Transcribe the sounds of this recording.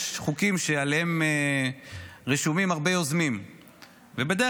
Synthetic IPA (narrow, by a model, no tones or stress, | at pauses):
χukimʃealeheme | ʁeʃumimhaʁbejozmim | vebed̪e